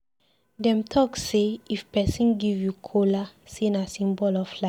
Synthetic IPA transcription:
dɛ̃mtʰɔkseifpɛsĩnɡivjukʰolasĩnasĩmbɔlɔfla

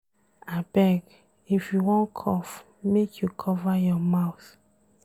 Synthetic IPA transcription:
abɛɡ | ifjuwɔ̃nkʰɔf | mekʰjukʰɔvajɔmaʊθ

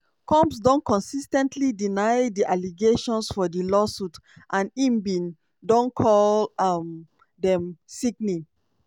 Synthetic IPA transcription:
kʰɔ̃mpsdõnkʰɔ̃nsistɛ̃ntʰlidinaɪdiʔaliɡeʃɔ̃nsfɔdəlɔsutʔãnĩmbĩn | dɔ̃nkʰɔlm | dɛ̃msikni

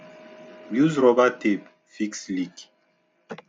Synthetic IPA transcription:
bjuzɾɔbatep | fikslik

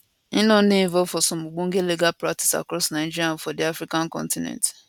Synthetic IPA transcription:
ĩnɔ̃n̩dĩĩvɔfɔsɔ̃moɡ͡bõŋ̩ɡeliɡalpɾati̥sa̰kɾɔsnaɪd͡ʒiɾiãnfɔdiafɾikãnkɔ̰̃ntĩnɛ̰̃nt

